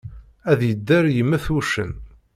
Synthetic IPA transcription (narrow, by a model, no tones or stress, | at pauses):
æðjəd̪ːæɾjəmːæθuʃə̰n